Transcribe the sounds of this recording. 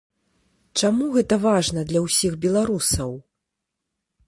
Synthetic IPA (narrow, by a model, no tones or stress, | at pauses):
t͡ʂamuɣɛt̪ɐvaʐnɐd̪lʲɐwsʲiɣbʲɛlˠaɾusɐw